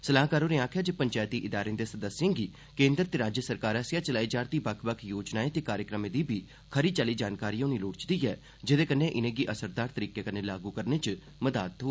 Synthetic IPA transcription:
səlaːkaːɾoːneːaːkʰjaːd͡ʒəpəɲt͡ʃaːjt̪iːʔɪd̪aːɾed̪eːsəd̪əsːẽːŋɡiː | kẽːnd̪ɾət̪eːɾaːd͡ʒjəsəɾkaːɾaːsjaːt͡ʃəlaːiːd͡ʒaːɾt̪iːbəkʰbəkʰjoːd͡ʒnaːeːt̪eːkaːɾjəkɾəmẽːd̪iːbʱiː | kʰəɾiːt͡ʃaːliːd͡ʒaːnkaːɾiːõːniːloːɽt͡ʃd̪iːɦɛː | d͡ʒɪd̪eːkənːẽːʔɪnẽːɡiʔəsəɾd̪aːɾt̪əɾiːkeːkənẽːlaːɡuːkəɾneːt͡ʃ | məd̪a̰ːt̪ɦoː

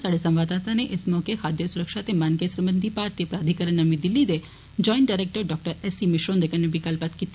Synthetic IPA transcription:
saɽesə̃mʋaːd̪at̪aneʔesmɔkexʰad̪jəsuɾəkʃat̪emankesɾəmənd̪ʱipaɾt̪ijəpɾaːd̪ʱikəɾəɳnəmid̪ɪlːid̪e | d͡ʒɔːɪ̃ɳʈɖajɾek̚ʈəɾɖɔk̚ʈəɾɛsimɪʃɾõnd̪ekənːebɪkəlpət̪kit̪

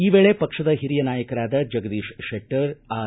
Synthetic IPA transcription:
iːʋeːɭepɐkʂɐd̪ɐɦiɾijɐnaːjɐkɐɾaːd̪ɐd͡ʒɐɡɐd̪iːʂʃeʈːɐɾaː

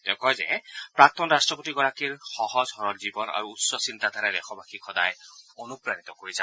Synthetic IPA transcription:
tɛʊ̃kɔjzɛ̰pɹak̚t̪ɔnɹastɹɔpotiɡɔɹakiɹxɔhɔzɦɔɹɔɹzibɔna̰ɹuːtsɔsintad̪ʱaɾɛɾɛ̰xʰɔbakikʰɔdajonupɹanit̪ɔkoɹiza

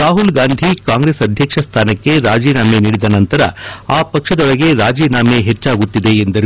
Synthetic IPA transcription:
aːɦulɡaːnd̪ʱikaːŋɡɾe̞sɐd̪ʱjɐkʂɐst̪ʰaːnɐkːe̞ɾaːd͡ʒiːnaːmeniːɽid̪ɐnɐnt̪ɐɾɐ̰aːpɐkʂɐd̪ɔɭɐɡe̞ɾaːd͡ʒiːnaːmeɦet͡ʃːaːɡut̪ːid̪e̞ːnd̪ɐɾu

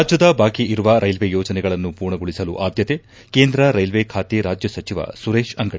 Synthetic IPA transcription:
aːd͡ʒjɐd̪ɐbʱaːkiʔiɾuʋɐɾʔɐjlʋejoːd͡ʒɐnɛɡɐɭɐnːupuːɾɳɐɡoɭisɐlṵʔaːd̪jɐt̪e | keːnd̪ɾɐɾɐjlʋekʰaːt̪iɾaːd͡ʒjɐsɐt͡ʃiʋɐ̰suɾeːʃɐŋɡɐʈ

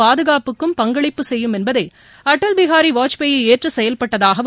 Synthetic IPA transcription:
aːðɯɣaːpɯkːɯmpɐŋɡɐɭɪpːɯsɛjːɯmɛnbɐðɐɪ | ɐʈːɐlbɪɣaːɾiʋaːt͡ʃpejɪeːʈrɯsɛjɐlpɐʈːɐðaːɣɐ

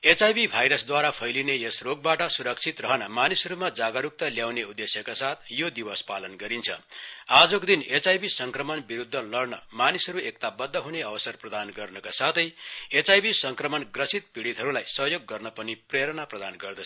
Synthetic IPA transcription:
et͡sajbibʱajɾʌsd̪waɾapʰʌjlinejʌsroɡ̚baʈʌsuɾʌkt͡sʰit̪rʌɦʌnʌmanisʌɾumad͡zaɡʌɾuk̚t̪ʌljawneud̪ːesjʌkasat̪ʰjod̪ibʌspalʌnɡʌɾint͡sʰʌ̰ad͡zʌkod̪inet͡sajbisʌŋkrʌmʌnbiɾud̪ʱːʌlʌrnʌmanisʌɾuekt̪abʌd̪ʱːʌɦuneʌwʌsʌrprʌd̪anɡʌrnʌkasat̪ʰʌjet͡sajbisʌŋkrʌmʌnɡrʌsit̪̚piɽit̪ɦʌɾulajsʌɦjoɡːʌrnʌpʌnipreɾʌnaprʌd̪anɡʌrd̪ʌ

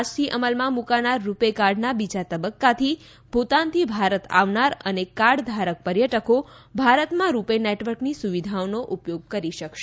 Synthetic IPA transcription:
st̪ʰiʔəməlmãmukanaɾːupekaɾɖnabid͡ʒat̪əbəkːat̪ʰi | pot̪anət̪ʰibʱaɾət̪a̰ʋnaɾənekaɾɖd̪ʱaɾək̚pəɾjəʈəko | bʱaɾət̪mãɾupeneʈʋəɾknisuʋid̪ʱaonoʔupjoɡ̚kəɾiʃəkʃe

